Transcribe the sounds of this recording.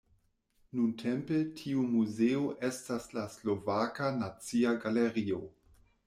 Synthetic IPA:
nuntʰempetʰiumuzeoʔe̞staslaslo̞vakanat͡siaɡaleɾio

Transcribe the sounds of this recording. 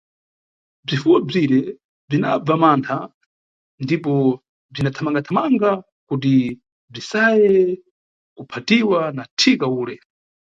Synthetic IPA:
b͡ʐifuwɔb͡ʐiɾɛ | b͡ʐina̰b͡vamantʰa | ndipɔ | b͡ʐinatʰamaŋɡatʰamaŋɡa | kut̬i | b͡ʐisajɛ | kupʰatiwanatʰikauːlɛ

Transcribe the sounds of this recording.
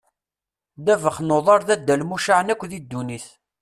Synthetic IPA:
ðævəχnoðˤɑɾˤðæd̪ːælmuʃaʕənækʷːðid̪ːuniθ

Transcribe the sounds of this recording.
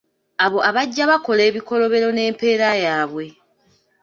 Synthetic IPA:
aβo̞ʔaβaɟːaβako̞le̞ːβiko̞lo̞βe̞ɾo̞ne̞ːmpe̞ːɾajaːβwe̞

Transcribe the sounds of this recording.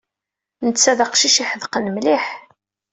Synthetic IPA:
nət͡sːæðəqʃiʃiħəðqənmliħ

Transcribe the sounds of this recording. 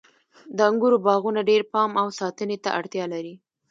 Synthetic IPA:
d̪əaŋɡuɾobɑɣunaɖeɾpɑmawsɑt̪ənet̪a̰ʔaɽt̪jɑlaɾi

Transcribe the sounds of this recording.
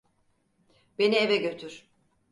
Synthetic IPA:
b̥e̞nievɛɟø̞t̪ʰyɾ̥

